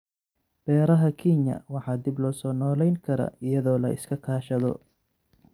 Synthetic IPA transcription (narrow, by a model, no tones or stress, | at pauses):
b̥ɛːɾɐɦɐkʰinjɐ̰wɑħɑːd̪ɪblɔːsɔːnɔːlɛjŋkʰɐɾɐ̰ɪjɐðɔːlɐ̰ɪ̰skʰɐkʰaːʃɐðɔ̰